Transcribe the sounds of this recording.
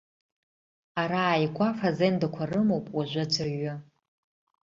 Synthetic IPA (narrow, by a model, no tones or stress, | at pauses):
aɾaːjɡʷafazendakʷʰarɨmowpʼwaʒʷad͡ʒʷʰaɥʊ